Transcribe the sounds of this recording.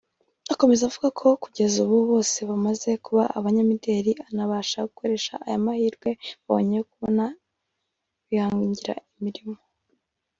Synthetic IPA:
ako̞me̞zavuɡakʰo̞kuɟe̞zuβuβo̞ːse̞βamaze̞kuβaʔaβaɲamide̞ɾianaβaːʃaɡukʰo̞ɾe̞ʃa̰ʔajamahiːɾɡwe̞βaβo̞̰ɲejokuβo̞na | βihaːŋɡuɲɟiɾa̰imiɾimo̞

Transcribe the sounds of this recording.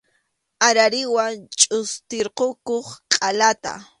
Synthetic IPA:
aɾaɾɪwaŋt͡ʃʼʊst̪ɪɾqokoχqʼalat̪a̰

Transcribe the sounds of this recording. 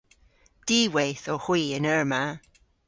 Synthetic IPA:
d̥iːwejθɔxwiːənəɹma

